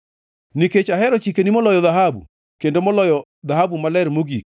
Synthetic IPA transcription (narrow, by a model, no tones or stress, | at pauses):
niket͡ʃaɦɛɾɔt͡ʃikenimɔlɔjɔðaɦabṵ | kendomɔlɔjɔ | ðaɦabumalɛɾmoɡik̚